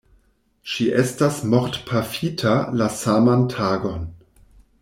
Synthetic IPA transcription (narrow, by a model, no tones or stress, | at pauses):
ʃiʔɛstasmoʁtpʰafitʰalasamantʰaːɡon